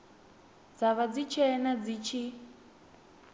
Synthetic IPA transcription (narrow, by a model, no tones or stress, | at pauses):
d͡zaβad͡zit͡ʃʰɛnad͡zit͡ʃʰi